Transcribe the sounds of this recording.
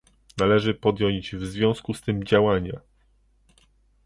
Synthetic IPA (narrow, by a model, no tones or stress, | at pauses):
nalɛʐɘpɔd̪ʲjɔ̃jd͡ʑvzvʲjɔ̃skust̪ɘmd͡ʑawaɲa̰